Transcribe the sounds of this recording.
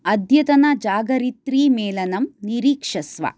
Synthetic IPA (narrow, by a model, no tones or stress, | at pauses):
ɐd̪ʱjɐt̪ɐnɐd͡ʒaːɡɐɾit̪ɾiːmɛːlɐnɐmniɾiːkʂɐsʋɐ̰